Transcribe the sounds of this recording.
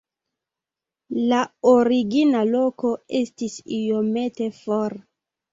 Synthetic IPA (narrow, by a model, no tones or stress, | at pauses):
laoɾiɡinalo̞ko̞e̞stisijo̞me̞te̞foɾ